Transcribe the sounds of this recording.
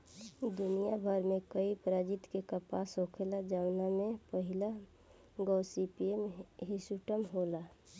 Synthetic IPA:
d̪unijabʱəɾmẽkəipɾad͡ʒit̪kekəpasɦokʰelad͡ʒamnamẽpəɦɪla | ɡɔːsipiemɦisuʈəmɦola

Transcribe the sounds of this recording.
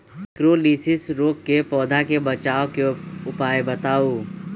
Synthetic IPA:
kɾoːliːsɪsɾoːkːepɔːd̪ʱakebɐt͡ʃaːokeʊpaːebɐt̪aːuː

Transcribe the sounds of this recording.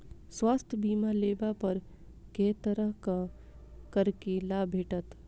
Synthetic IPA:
swaːst̪ʰjəbiːmaleːbapəɾ | ket̪əɾəɦka | kəɾkelabʱeːʈət̪

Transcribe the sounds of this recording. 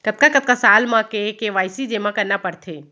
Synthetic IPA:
kət̪̚kakət̪̚kasaːlmãkekeʋaːjsid͡ʒemãkəɾnapəɽt̪ʰe

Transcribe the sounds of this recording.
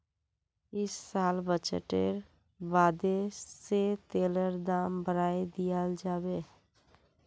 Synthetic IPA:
ɪsːaːlbət͡ʃə̰ʈḛɾ | baːd̪eset̪eːləɾd̪aːmbəɾaːed̪ijəld͡ʒaːbe

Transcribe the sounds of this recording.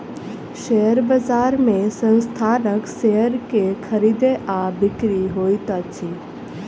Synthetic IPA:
ʃeɦəɾbəd͡ʒaɾmẽsə̃w̃st̪ʰanəkʃeɦəɾkekʰəɾid̪eʔabɪkɾiɦojt̪at͡ʃʰe

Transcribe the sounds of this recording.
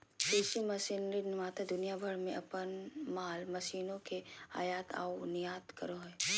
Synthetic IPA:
ʃiːʃimɐsiːnɾinɪmaːt̪ad̪ʊnijabʱɐɽmẽʔɐpənmaːlmɐʃiːnõkea̰ːjaːt̪ʰa̰ːunɪjaːt̪kɐɾoɦɛː

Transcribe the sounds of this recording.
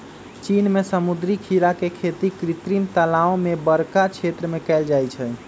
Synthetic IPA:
t͡ʃinmesəmud̪ɾikʰiɾakekʰet̪ikɾit̪ɾimt̪əlaõmebəɾkat͡ʃʰet̪ɾəmekɛld͡ʒajt͡ʃʰɛ

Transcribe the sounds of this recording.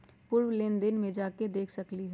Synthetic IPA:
pʊɾwlɪ̃nd̪ɪnmẽd͡ʒaːked̪eːkʰsɐkliɦɛ

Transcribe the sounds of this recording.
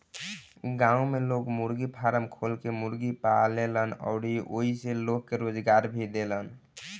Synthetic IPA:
ɡãũmelokmuɾɡipʰaɾəmkʰolkemuɾɡipalelənə̰ʊɽ̤io̰ɦiselokːeɾod͡ʒɡaɾbʱid̪elən

